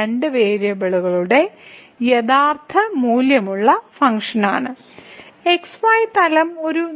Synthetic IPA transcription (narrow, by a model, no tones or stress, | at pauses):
eɳɖɨʋe̞ːɾjɐbeɭuɣɐɭuɽe̞ | jeðaːrt̪ʰɐmuːljɐmuɭːɐfɐŋʂɐnaːɳɨ | eksʋaːjt̪ɐlɐmo̞ɾu